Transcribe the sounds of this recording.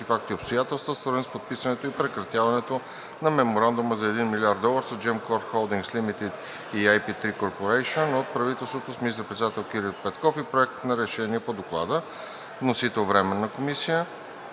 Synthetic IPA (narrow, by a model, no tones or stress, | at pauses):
ifak̚t̪iopst̪ojat̪ɛlˠst̪vəsvəɾinspot̪̚pisɐnɛt̪oipɾɛkɾɐt̪javɐnɛt̪o | nɐmɛmoɾand̪uməzɐɛd̪inmilʲiaɾd̪ɔlˠəɾsod͡ʒɛmkoɾt̪xolˠd̪iŋkslimit̪it̪ | iajpit̪ɾikoɾpoɾɛjʃionot̪̚pɾɐvit̪ɛlˠst̪vot̪osminist̪əɾpɾɛt̪d̪at̪ɛlˠk̟iɾilˠpɛt̪kɔfipɾoɛk̚t̪nɐɾɛʃɛniɛpod̪oklˠa̰d̪ə | nosit̪ɛlˠvɾɛmɛnːɐkomisijə